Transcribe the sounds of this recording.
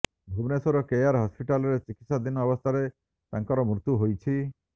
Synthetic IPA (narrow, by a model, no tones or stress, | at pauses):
bʱubnesoɾɔkejaɾɦɔspiʈaleɾt͡ɕikit̪ʃad̪inɔbost̪ʰaɾe | t̪aŋkɔɾɔmɾut̪ːuɦojt͡ɕʰi